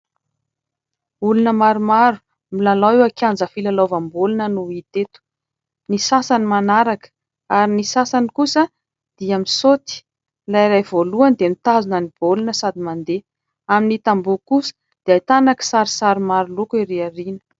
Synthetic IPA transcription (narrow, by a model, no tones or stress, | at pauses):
ulunəmaɾumaɾu̥ | milalawewakʰʲand͡zəfilalovambulunənuit̪et̪u̥ | nisasanimanaɾakə̥ | aɾinisasanikusə | d̪̥iamisot̪i̥ | laiɾajvoluand̪emit̪azunənib̥olunəsad̪imand̪e | aminit̪ambukusə̥ | d̪̥eajt̪anaki̥saɾisaɾimaɾulukiɾiarinə̥